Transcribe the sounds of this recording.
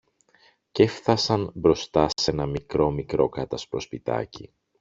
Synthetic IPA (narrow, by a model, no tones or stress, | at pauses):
ce̞fθɐsɐnbɾo̞st̪ɐse̞nɐmikɾo̞mikɾo̞̰kɐt̪ɐspɾo̞spit̪ɐ̰ci